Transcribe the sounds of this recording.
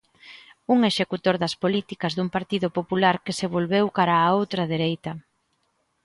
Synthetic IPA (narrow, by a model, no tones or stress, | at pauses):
uŋeʃekut̪oɾðɐspolit̪ikɐzðumpaɾt̪iðʊpopulaɾkeseβ̞olβewkaɾaːowt̪ɾɐðeɾejt̪ɐ